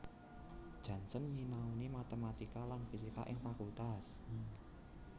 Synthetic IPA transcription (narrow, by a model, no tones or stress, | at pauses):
d̥ʒ̥ä̤nsənjinaunimat̪əmat̪ikalanfisika̰ʔɪŋfakult̪as